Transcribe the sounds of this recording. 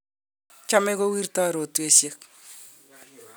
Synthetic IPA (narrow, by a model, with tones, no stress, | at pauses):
t͡ʃa˦mɛ˦ko˦wi˦rta˦˨ɾo˨tu˨e˨sje˦k̚